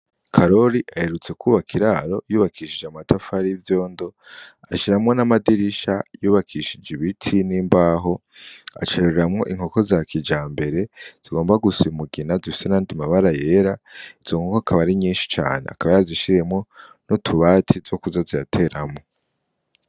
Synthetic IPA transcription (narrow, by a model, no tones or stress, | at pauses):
kʰaɾo̞ɾiʔahe̞ɾut͡se̞kʰuβakʰiɾaɾo̞juːβakʰiːʃid͡ʒamatʰafaɾivjo̞ːndo̞ | aʃiɾamŋo̞namadiɾiʃajuːβakʰiʃid͡ʒiβitʰiniːmbaːɦo̞ | a̰t͡ʃeɾeɾeɾamŋo̞̰ʔiŋ̥ho̞ko̞zakʰid͡ʒaːmbe̞ɾe̞z̥iɡo̞ːmbaɡusimuɡinazifi̥senaːndimaβaɾaje̞ɾaiz̥o̞ŋokoakʰaβaɾiɲiːnʃi̥t͡ʃa̰ːnḛakaβajaaziʃiɾe̞mŋo̞ | notʰuβaːtʰizo̞kuzazijatʰe̞ɾamŋo̞